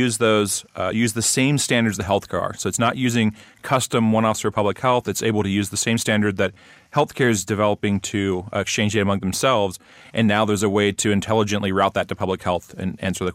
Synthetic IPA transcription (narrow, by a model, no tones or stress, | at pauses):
ʉzðoʊz̥jʉzðɨsẽɪ̃mstæ̃ndə˞dzðɨɦɛlˠθkʰɑ̰ɹsoʊɨtsnəʔjʉzɪ̃ŋ | kʰʌstɨ̃mwʌ̃ñɔfsə˞ɨpʰʌbləkhɛlˠθɨtseɪbl̩ˠtɨjʉzðɨsẽɪ̃mstæ̃ndə˞d̪̚ðɨt̚ | hɛlˠθkʰɛɹɨzdɨvɛlˠəpɪ̃ŋtʰɨkst͡ʃʰẽɪ̃nd͡ʒɪɾəmʌ̃ŋðɨ̃m̩sɛlˠvz | ʔɨ̃nːaʊðə˞zəweɪɾɨɨ̃ntʰɛlˠəd͡ʒɨ̃nʔliɹaʊt̪̚ðɨtʰɨpʰʌbləkhɛlˠθɨ̰̃næ̰̃nsə˞ðɨ